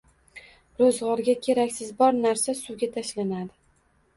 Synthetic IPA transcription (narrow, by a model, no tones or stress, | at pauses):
ɾozʁɒɾɡʲakʲʰe̞ɾakʲsɪzbɒɾnaɾsasʊɡʲat̪ʰaʃlanad̪ɪ